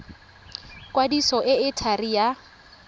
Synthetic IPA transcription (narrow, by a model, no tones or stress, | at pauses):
kʼwadisɔʔɪɪtʰarija